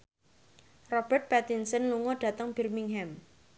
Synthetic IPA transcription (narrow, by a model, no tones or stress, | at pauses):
rɔb̥ərt̪̚pɛt̪insənluŋɔɖ̥ä̤t̪əŋb̥ɛ̤rmiŋɦɛm